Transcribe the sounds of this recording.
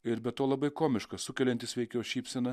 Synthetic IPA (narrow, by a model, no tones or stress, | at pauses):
ɪɾbʲɛt̪t̪ːoːlˠɐbɐɪkoːmʲɪʃkɐsʊkʲɛlʲɛnʲt̪ʲɪsʲʋʲɛɪkʲɛːʃʲiːpʲsʲɛnɐ